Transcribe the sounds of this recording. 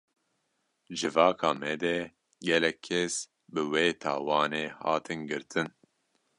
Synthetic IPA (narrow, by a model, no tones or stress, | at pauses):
d͡ʒɨvɑːkʰɑːmɛd̪ɛ | ɡɛlɛkʰːes | bɨweːt̪ʰɑ̰ːwɑːneːhɑ̰ːt̪ʰɨnɡɨɾt̪ʰɨn